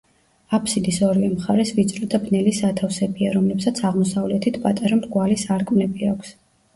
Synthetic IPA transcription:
apʰsid̪isɔɾivɛmχaɾɛsvit̪sʼɾɔd̪abnɛlisat̪ʰafsɛbiaɾɔmlɛbsat̪sʰaʁmɔsavlɛt̪ʰit̪ʰpʼat̪ʼaɾamɾɡwalisaɾkʼmnɛbiakʷʰs

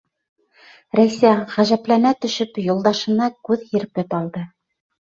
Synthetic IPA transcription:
ɾæjsæʁæʒæplænæt̪ɵ̆ʃɵpjulˠd̪ɑʃɤ̆nɑkʉðhĭɾpɘpɑlˠd̪ɤ

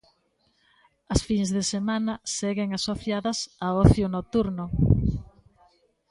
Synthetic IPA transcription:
ɐsfiŋzðesemanɐseɣeŋasoθjaðɐsaoθjʊnot̪uɾnʊ

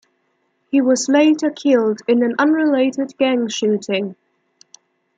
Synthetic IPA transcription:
hiwɒzleɪtəkʰɪlˠdɪ̃nə̃nʌ̃nɹɪleɪtɪd̚ɡæ̃ŋʃʉˑtɪ̃ŋ

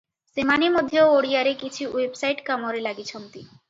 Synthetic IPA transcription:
semanimod̪ʱːeooɽijaɾekit͡ɕʰiwebsajʈkamoɾelaɡit͡ɕʰɔnt̪i

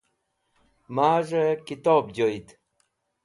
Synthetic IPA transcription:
maːʐekit̪oːb̚d͡ʑoit̪

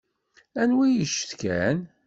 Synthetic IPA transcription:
ænwijəʃə̥θkæn

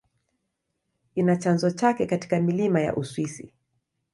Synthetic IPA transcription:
inat͡ʃanzɔt͡ʃakɛkati̥kamilimaja̰ʔuswisḭ

